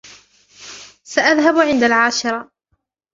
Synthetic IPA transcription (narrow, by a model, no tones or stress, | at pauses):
saʔaðɦabʕɪnd̪alʕaːʃɪɾˤɑ